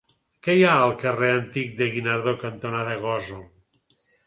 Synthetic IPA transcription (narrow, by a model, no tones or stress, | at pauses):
kejaəlˠkəreənt̪ik̚d̪eɣinaɾðokant̪onaðeɣɔzo